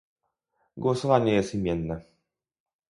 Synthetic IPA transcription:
ɡwɔsɔvaɲɛjɛst̪imʲjɛnːɛ

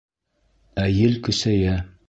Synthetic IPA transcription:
æjɘlkɵ̆sæjæ

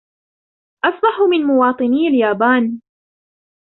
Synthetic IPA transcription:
ʔɑsˤbɑħʊmɪnmʊwɑːt̪ˤɨniːaljaːbaːn

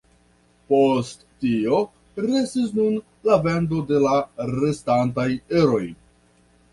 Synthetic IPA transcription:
po̞stːio̞ | ɾe̞sis̬nun | lave̞ndo̞de̞laɾe̞stantajeɾo̞j

